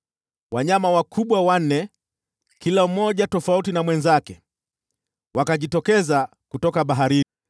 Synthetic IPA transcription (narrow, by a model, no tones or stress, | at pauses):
waɲamawakʰuɓwawan̩ːɛ | kilam̩mɔʄatɔfautinamwɛnzakɛ | wakaʄitɔkɛza | kutɔkaɓaɦaɾini